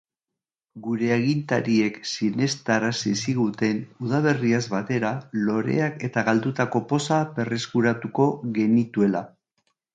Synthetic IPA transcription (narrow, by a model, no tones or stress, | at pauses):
ɡuɾe̞eɣ̞int̪aɾie̞ksine̞st̪aɾasisiɣut̪e̞nuð̞aβe̞riazβat̪e̞ɾalo̞ɾe̞̰ake̞t̪aɣald̪ut̪ako̞po̞sape̞reskuɾat̪uko̞ɣe̞nit̪ue̞la